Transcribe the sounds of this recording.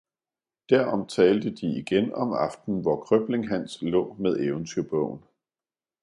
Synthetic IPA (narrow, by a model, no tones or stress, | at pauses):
d̥æɐ̰ɒ̽mt͡sʰɛːld̥əd̥iiɡ̥enɒ̽mɑ̈fd̥n̩ʋɒkʰʁœb̥le̝ŋɦæn̰slɔ̰̽ːmeðˠeʊənt͡sʰyɐb̥ɔʊ̰n̩